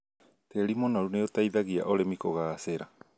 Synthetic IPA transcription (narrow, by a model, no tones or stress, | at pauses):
teɾimonaɾuneotaiðaɣia̰ʔoɾemikoɣaːseɾa